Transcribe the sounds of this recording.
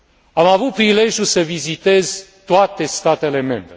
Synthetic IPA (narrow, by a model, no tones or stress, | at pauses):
amavut̪̚pɾile̞ʒjusəvizit̪e̞zt̪oat̪e̞st̪at̪e̞le̞me̞mbɾe